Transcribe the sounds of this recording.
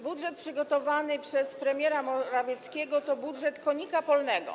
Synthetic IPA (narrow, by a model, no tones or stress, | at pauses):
budʐɛt̪̚pʂɘɡɔt̪ɔvanɘpʂɛspɾɛmʲjɛɾamɔɾavʲjɛt̪skʲɛɡɔt̪ɔbudʐɛt̪kɔɲikapɔlnɛɡɔ̰